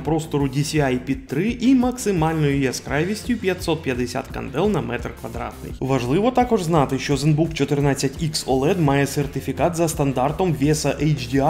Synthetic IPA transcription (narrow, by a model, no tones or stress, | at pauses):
pɾost̪ɔɾʊdʲɪsʲiajpʲit̪ːɾɨʔimɐksɨmalʲnʊjʊjaskɾajʋʲɪsʲtʲjʊpʲjɐtʲsot̪̚pʲjɐd̪ɪsʲa̰t̪kɐ̰nd̪ɛlˠnɐmɛt̪rkʋɐd̪ɾa̰t̪nɨ̰jʋɐʐlˠɨʋɔt̪akɔʐznat̪ɨʃʲt͡ʃozɨnbukt͡ʃɪt̪ɨrnasʲɐtʲiksɔlˠɛd̪majɛsʲɛrt̪ʲɪfʲɪkat̪zɐst̪ɐnd̪art̪ɔmvʲesɐʔɛjt͡ʃdʲia